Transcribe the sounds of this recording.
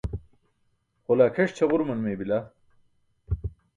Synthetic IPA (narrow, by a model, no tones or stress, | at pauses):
χolaːkʰɐʂt͡ɕʰɐʁuɾmɐnmeːbila